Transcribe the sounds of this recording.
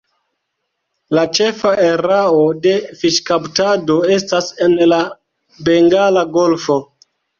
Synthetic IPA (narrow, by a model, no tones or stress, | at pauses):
lat͡ʃe̞faʔeɾaode̞fiʃkaptado̞e̞stasenla | be̞ŋɡalaɡo̞lfo̞